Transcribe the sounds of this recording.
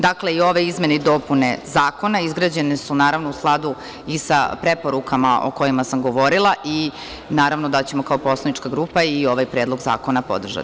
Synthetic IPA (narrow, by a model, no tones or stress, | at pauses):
d̪akleio̞ʋe̞izme̞neid̪o̞pune̞zaːko̞naizɡɾaːd͡ʑe̞ne̞sunaːɾaʋnousklˠad̪u | isapɾe̞po̞ɾukʰama̰ʔo̰ko̞jimasamɡo̞ʋo̞ɾilˠaʔi | naːɾaʋnod̪at͡ɕemo̞kaopo̞slanit͡ʃkaɡɾuːpaio̞ʋajpɾe̞ːd̪lˠo̞ɡza̰ːko̞napo̞̰d̪r̩ʒa̰t̪i̥